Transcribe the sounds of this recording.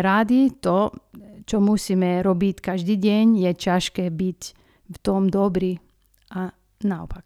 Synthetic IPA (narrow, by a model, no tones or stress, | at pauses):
ɾad̪it̪ɔt͡ʃɔmusiːmɛɾɔbickaʒd̪iːɟɛɲjɛcaʃkɛːbic | ft̪ɔmd̪ɔbɾi | ʔa | naɔpak